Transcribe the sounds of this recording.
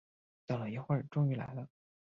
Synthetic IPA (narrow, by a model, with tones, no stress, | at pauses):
t̪ɑ˥˩lə˨˩i˧˥xwə˥˩ʈ͡ʂʊ˥ŋy˧˥la̰˧˥ɪlə˦